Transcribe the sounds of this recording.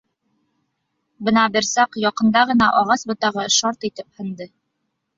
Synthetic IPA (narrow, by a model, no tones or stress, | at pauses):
bɤnɑbiɾsɑqjɒqɤ̆nd̪ɑʁɤ̆nɑʔɒʁɑsbɤ̆t̪ɑʁɤʃɑɾt̪it̪ɘphɤ̆nd̪ɤ